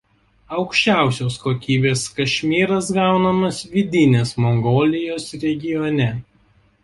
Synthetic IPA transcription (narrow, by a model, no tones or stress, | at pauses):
ɐʊkʃʲt͡ʃʲæˑʊsʲoːskoːkʲiːbʲeːskɐʃʲmʲiːɾɐs̬ɡɑˑʊnɐmɐsʋʲɪd̪ʲɪnʲeːsmɔŋɡoːlʲɪjoːsɾʲɛɡʲɪjɔnʲɛ